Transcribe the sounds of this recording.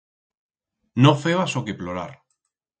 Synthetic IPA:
nofeβasokeploɾa̰ɾ

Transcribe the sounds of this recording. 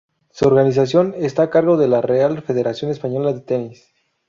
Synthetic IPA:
suoɾɣanis̬as̬jo̞ne̞st̪aːkaɾɣo̞ðe̞larealfe̞ð̞e̞ɾasjo̞nespaɲo̞laðet̪enis

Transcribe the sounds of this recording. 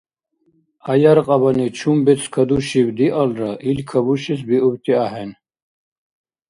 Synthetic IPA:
ajaɾqʼɑbanit͡ʃʰumbɛt͡sʰkʰad̪uʃibd̪iʔalɾaʔilkʰabuʃisbiubt̪ʼiaɦɛn

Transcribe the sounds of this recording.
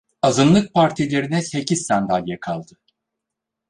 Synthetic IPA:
azɯnlˠɯk̚pʰaɾt̪ʰilʲe̞ɾinɛse̞cizːand̪alʲjɛkʰalˠd̪ɯ

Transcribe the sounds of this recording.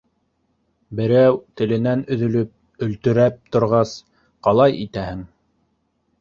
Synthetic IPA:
bɘ̆ɾæwt̪ɘ̆lɘ̆nænɵ̆ðɵ̆lɵp̚ | ɵ̆lt̪ɵ̆ɾæp̚t̪ŏɾʁɑs | qɑlˠɑjit̪æhɘŋ

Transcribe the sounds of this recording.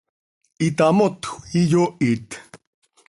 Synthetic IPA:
it̪amot̪u̥ijoʔit̪

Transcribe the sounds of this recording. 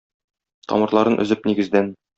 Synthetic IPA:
t̪ʰɒ̰mɤ̆ɾlˠɑɾɤnʔɵ̆zɘp̚niɡɘ̆zd̪æn

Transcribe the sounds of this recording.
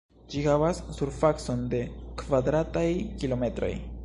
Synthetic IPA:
d͡ʒihavasːuɾfakso̞nde̞kvadɾatajkilo̞me̞tɾo̞̰j

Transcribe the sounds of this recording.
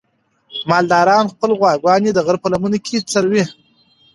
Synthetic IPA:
mɑld̪ɑɾɑːnxpəlɣwɑɡwɑnid̪əɣəɾpəlamunokʰʲet͡saɾwi

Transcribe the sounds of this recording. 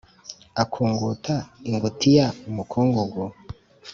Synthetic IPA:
akʰuːŋɡutaiŋɡotʰijaumukʰuːŋɡuɡu

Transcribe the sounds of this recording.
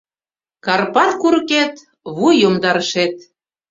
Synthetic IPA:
kɑrpɑrkuɾəket̪ | βujjomd̪ɑɾəʃet̪

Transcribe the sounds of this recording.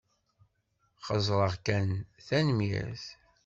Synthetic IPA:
χəzˤɾˤəʁkænθænmḭθ

